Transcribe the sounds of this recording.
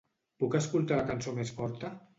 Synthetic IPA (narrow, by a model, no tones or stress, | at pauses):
pukəskulˠt̪alakansomesfɔɾt̪ə